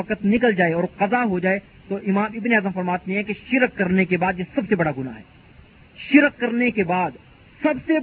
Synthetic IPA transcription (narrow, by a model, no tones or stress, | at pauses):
ɐqət̪nɪkəld͡ʒaːeɔːɾqɐzaɦod͡ʒaːe | t̪oʔɪmaːmɪbneaːd̪əmfɐɾmaːt̪neɦɛ̃keʃɪɾqːɐɾnekebaːd̪jesɐbsebɐɽaɡʊna̰ɦɛː | ʃɪɾq̚kːɐɾnekebaːd̪ | sɐbse